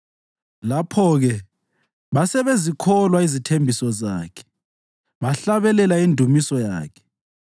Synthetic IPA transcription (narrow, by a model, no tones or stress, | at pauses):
lapʰɔɣɛ | βasɛβezikʰɔlwaizitʰembʱisɔzaːkʰɛ̥ | βaɬaβɛlɛlaindʱumisɔja̰ːkʰɛ̥